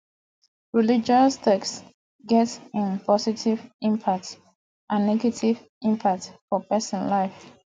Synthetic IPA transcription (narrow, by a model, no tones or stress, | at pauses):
ɹilid͡ʒɔstɛks | ɡɛtĩnpʰɔsitʰivĩmpʰak̚t | ʔãnːɛɡɛtʰiv | ĩmpʰak̚tfɔpɛsə̃nlaɪf